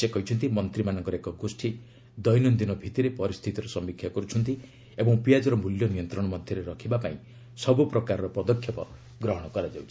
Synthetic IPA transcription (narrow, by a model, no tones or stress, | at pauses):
sekɔɦit͡ʃʰɔnt̪imɔnt̪ɾimanɔŋkɔɾekɔɡosʈʰi | d̪ɔjnɔnd̪inɔbʱit̪iɾepɔɾist̪ʰit̪iɾɔsɔmbikʰːjakɔɾut͡ʃʰɔnt̪i | ebɔ̃ŋpijad͡ʒɔɾɔmuljɔnijɔnt̪ɾɔɽ̃ɔmɔd̪ʱjɔɾeɾɔkʰibapaĩ | sɔbupɾɔkaɾɔɾɔpɔd̪ɔkʰːjɔpɔ̰ | ɡɾɔɦɔɽ̃ɔkɔɾad͡ʒawt͡ʃʰi̥